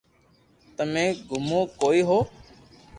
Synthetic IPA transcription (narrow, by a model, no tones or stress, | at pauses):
t̪əmẽːɡʱʊmõːkoːiːɦoː